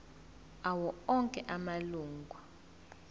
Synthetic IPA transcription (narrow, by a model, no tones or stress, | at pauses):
awɔɔŋkʼɛʔamaluːŋɡʱwa